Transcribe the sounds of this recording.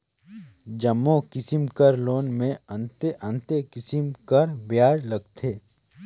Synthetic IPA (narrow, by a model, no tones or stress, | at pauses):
d͡ʒɐmːokɪsɪmkəɾloːnmẽɐ̃nt̪eʔɐ̃nt̪ekɪsɪmkəɾbjaːɾlɐɡ̚t̪ʰeː